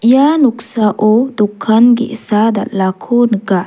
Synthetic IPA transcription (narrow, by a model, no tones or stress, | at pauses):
januksaʔod̪ukʰːanɡɛ̰ʔsad̪a̰ʔlakʰonəɡa